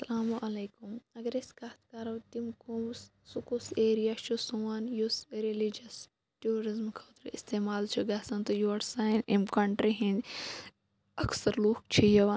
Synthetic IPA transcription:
sɐlaːmuʔɐleːkumɐɡɐɾeskat̪ʰkaɾɐwt̪imkumsːukuseːɾijat͡ʃʰusuʋanjusɾilid͡ʒɐs | ʈuːɾizmkʰɐːt̪ɾist̪eːmaːlt͡ʃʰuɡaːsɐnt̪ojoɐʈsaːnimkɐɳʈɾiɦĩn | ɐksɐɾloːk̚t͡ʃʰijɐʋɐn

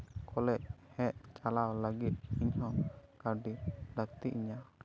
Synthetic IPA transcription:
kʰɔlɛc̚hɛʔt͡ʃalawləɡit̪̚iɲɦɔŋkaɖid̪ək̚t̪iʔiɲa

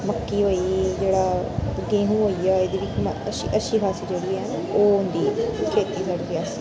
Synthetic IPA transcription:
məkːiːɦoːiːd͡ʒeːɽaːɡẽːɦũːɦoːiːaːed̪eːʋɪt͡ʃməəʃḭʔəʃiːkʰaːsiːd͡ʒeːɽiːɦɛː | oːɦʊnd̪iːkʰeːt̪iːsəɽd̪eaːs

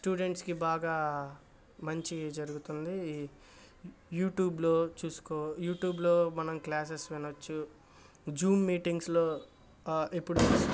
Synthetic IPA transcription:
sʈuːɖeɳʈskibaːɡaː | mɐɲt͡ʃid͡ʒɐɾuɡut̪und̪i | juːʈjuːblo̞ːt͡ʃuːsu̥koːjuːʈjuːblo̞ːmɐnɐmklaːs̬esʋinɐt͡ʃːu | d͡ʒuːmːiːʈiŋɡsloː | epːuɽut͡ʃuː

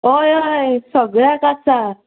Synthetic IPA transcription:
ɔjɔjsəɡɭakasa

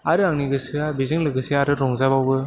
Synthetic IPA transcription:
aɾɯaŋniɡɯsɯabizɯŋlɯɡɯsiaɾɯɾɔŋzabawbɯ

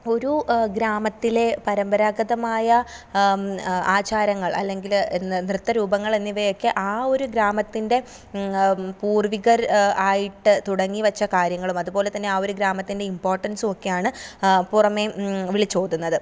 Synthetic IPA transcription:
o̞ɾuɡɾaːmɐt̪ːile̞pɐɾɐmbɐɾaːɡɐðɐmaːjɐ | aːt͡ɕaːɾɐŋːɐɭɐ̰lːe̞ŋɡilnrɨt̪ːɐɾuːbɐŋːɐɭenːiʋɐjo̞kːeʔaːo̞ɾuɡɾaːmɐt̪ːinde̞ | puːrʋiɣɐɾaːjiʈːɨt̪uɽɐŋːiʋɐt͡ɕːɐkaːɾjɐŋːɐɭumɐðubo̞ːle̞t̪ɐnːe̞aːo̞ɾuɡɾaːmɐt̪ːinde̞impoːrʈːɐnsuo̞kːe̞jaːɳɨpurɐme̞ʋiɭit͡ɕːo̞ːd̪unːɐðɨ

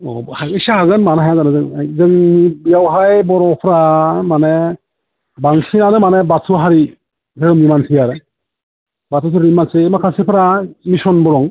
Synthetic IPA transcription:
ɔ̰haɡisahaɡɯnmanaɦajazanɯzɯŋzɯŋbijawɦajbɔɾɔpʰɾamane | baŋsinanɯmanebatʰuɦaɾi | zɯɾɯmnimansʰijaɾɯ | batʰus̬ɯɾimansemakʰasipʰɯɾamisɔnbɔɾɔŋ

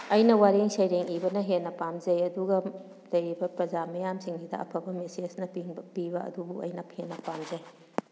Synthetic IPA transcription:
ɐjnɐwaɾiŋsɐjɾeŋibɐnɐɦenːɐpamd͡ʒɐjɐduɡɐ | lɐjɾibɐpɾɐd͡ʒamɐjamsiŋnidɐ̰ɐ̰pʰɐbɐmesesnɐpibɐɐ̰dubuɐ̰jnɐpʰenːɐpamd͡ʒɐj

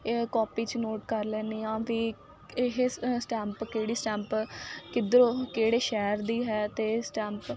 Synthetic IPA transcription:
kɔːpiːt͡ʃənoːʈkəɾlɛːniːãːʋiː | ɦesʈɛːmpkeːɽiːsʈɛ̃ːmpkɪd̪ɾõːkeːɽeːʃɛːɾd̪iːɦɛːt̪eːsʈɛ̃ːmp

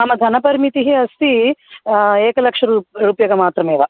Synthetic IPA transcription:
aːmɐd̪ʱɐnɐpɐɾmit̪iɦiɐst̪i | eːkɐlɐkʂɐɾuɾuːpjɐɡɐmaːt̪ɾɐmeːʋɐ

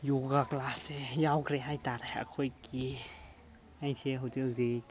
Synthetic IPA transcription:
joɡaklasejawkʰɾeɦajtaɾeɐ̰kʰojki | ajseɦɔwtezi

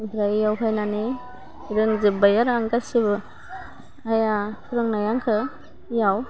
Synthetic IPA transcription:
bɾajjawkʰajnani | ɾɯŋzɯbajaɾaŋɡasibɯ | ajakʰɾɯŋnajaŋkʰɯ | jaw

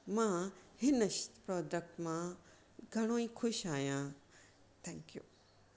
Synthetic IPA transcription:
mãːhɪnəʃpɾɔːd͡ʒək̚ʈmã | ɡʱɐɽ̃õːĩkʰʊʃaːjãː | t̪ʰɛ̃ːŋkjuː

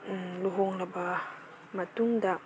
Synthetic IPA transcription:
luɦoŋlaba | mat̪uŋd̪a

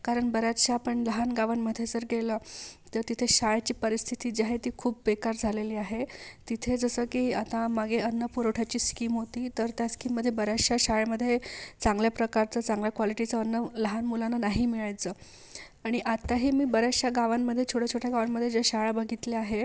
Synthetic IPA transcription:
kaɾəɳbəɾat̪ɕaːpəɳləɦanɡaʋanməd̪ʱːjed͡zəɾɡeləːt̪əɾt̪it̪ʰeɕaɭat͡ɕiːpəɾist̪ʰit̪iːd͡ʑeaɦet̪iːkʰuːpʋekaɾd͡zʱaleliːaɦet̪it̪ʰed͡zəsəːkiːat̪ãmaɡeənːəpuɾoʈʰat͡ɕiːskiːmɦot̪iːt̪əɾt̪jaskiːmːəd̪ʱːjebəɾaʂaɕaɭməd̪ʱːjet͡sãŋɡljapɾəkaɾt͡səːt͡sãŋɡljakʋɔliʈit͡səənːələɦanmulananaɦiːmiɭajt͡səː | aɽ̃iʔat̪aɦiːmiːbəɾaʂaɡaʋamːəd̪ʱːjet͡ɕʰoɽʰət͡ɕʰoʈʰjaɡaʋamːəd̪ʱːjed͡ʑaɕaɭabəɡʱit̪leaɦe

